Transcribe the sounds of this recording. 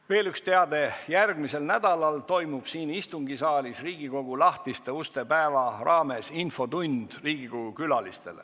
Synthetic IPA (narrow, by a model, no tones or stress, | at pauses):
ve̞ːlykst̪e̞ɑd̪e̞jærɡ̥mise̞lnæd̪̥ɑlɑlt̪o̞jmub̥siːnist̪uŋɡisɑːlisriːɡ̥iko̞ɡ̥ulɑht̪ist̪e̞ust̪e̞pæevɑrɑːme̞sinfo̞t̪und̪̥riːɡ̥iko̞ɡukylɑlist̪e̞̰lḛ